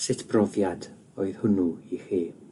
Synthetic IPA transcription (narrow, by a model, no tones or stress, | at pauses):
sɪtʰb̥rɔvjad | oɨðhʊnuiχiː